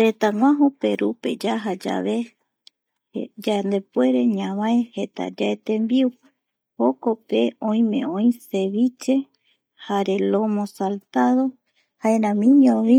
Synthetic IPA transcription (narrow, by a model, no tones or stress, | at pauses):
ɾet̪aŋʷãɦope̞ɾʔupe̞̰d͡ʒaɦad͡ʒa̰βe | d͡ʒand̪e̞pwe̞ɾe̞ɲãβaehet̪a̰d͡ʒaet̪embiu | hoko̞pe̞õĩmẽ̞̰õj̃se̞βit͡ʃe̞ | haɾe̞lo̞mõsalt̪aðo̞ | haẽɾãmĩɲõβi